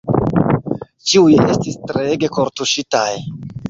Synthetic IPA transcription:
t͡ʃiuje̞stistɾeɡe̞ko̞ɾtuʃitaj

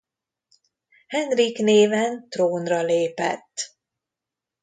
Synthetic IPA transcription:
hɛnrikneːvɛnt̪roːnrɒleːpɛ̰t̪ː

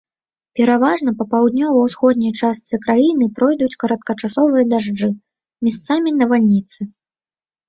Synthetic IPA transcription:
pʲɛɾavaʐnɐpɐpawd̪nʲɔvɐwsxɔd̪̚ʲnʲɐjt͡ʂast̪sɨkɾajinɨpɾɔjd̪ut͡sʲkɐɾɐt̪̚kɐt͡ʂasɔvɨjɐd̪aʐd͡ʐɨ | mʲɛst̪samʲinɐvalʲnʲit̪sɨ

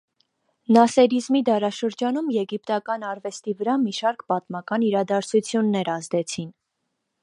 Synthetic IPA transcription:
nɑsɛɾizmid̪ɑɾɑʃəɾd͡ʒɑnumjɛɡipt̪ɑkɑnɑɾvɛst̪ivəɾɑmiʃɑɾkpɑt̪mɑkɑniɾɑd̪ɑɾt͡sʰut͡sʰjunːɛɾɑzd̪ɛt͡sʰin

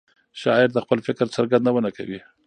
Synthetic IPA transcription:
ʃɑɪɾd̪əxpəlfɪkɾt͡saɾɡand̪awənaka̰wi

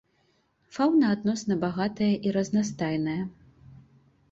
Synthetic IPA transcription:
fawnɐːd̪nɔsnɐbaɣat̪ɐjɐʔiɾɐznast̪ajnɐjɐ

